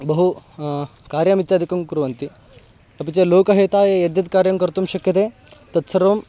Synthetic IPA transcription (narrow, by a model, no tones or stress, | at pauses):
bɐɦu | kaɾjamit̪jad̪ʱikɐmkuɾuʋɐnt̪i | ɐp̬it͡ɕeloːkɐɦet̪aːejɐd̪jɐt̪kaɾjɐŋkɐɾt̪umɕɐkjɐt̪̬e | t̪ɐt̪sɐɾom